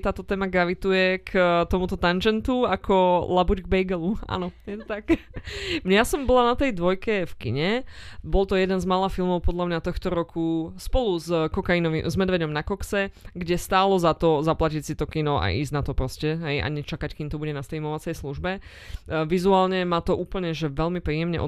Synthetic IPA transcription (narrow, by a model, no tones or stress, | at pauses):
t̪aːt̪ɔt̪ɛːmaɡɾaʋit̪ujɛkʰt̪ɔmut̪ɔt̪and͡ʒɛnt̪uakʰɔlabuɟɡ̚bɛjɡɛlua̰ːnɔjɛt̪ɔt̪ak | mɲɛasɔmbɔlanat̪ɛjd̪ʋɔjkɛfkḭɲɛbɔlt̪ɔjɛd̪ɛnzmalafilˠmɔʊpɔd̪ʎamɲat̪ɔxt̪ɔɾɔkuspɔluzkɔkainɔʋḭmzmɛd̪ʋɛɟɔmnakɔksɛɡɟɛst̪aːlɔzat̪ɔzaplacisit̪ɔkinɔa̰ʔḭːzɟnat̪ɔpɾɔscɛɦɛjʔa̰ɲɛt͡ʃakackiːmt̪ɔbuɟɛnast̪ɛjmɔʋat͡sɛjsluʒbɛ | ʋizuaːlɲɛmat̪ɔʔuːpl̩ɲɛʒɛʋɛlmipɾiːjɛmɲɛ̰ʔɔ̰